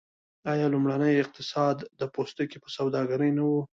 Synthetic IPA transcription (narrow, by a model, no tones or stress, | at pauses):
ɑjɑlumɽanəjɪq̚t̪ɪsɑd̪ːəpost̪okepəsawd̪ɑɡaɾəjnawu